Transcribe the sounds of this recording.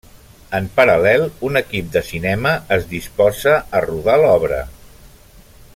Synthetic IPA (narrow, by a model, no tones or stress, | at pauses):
əmpəɾəlɛlˠunəkip̚d̪əsinɛməəzðispɔzəːruðalɔβɾə̰